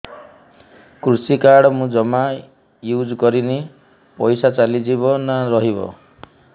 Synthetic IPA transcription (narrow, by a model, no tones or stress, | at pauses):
kɾusikaɽɔmũd͡ʒɔma | jud͡ʒkɔɾini | pɔjsat͡ʃalid͡ʒibɔnaɾɔɦibɔ̰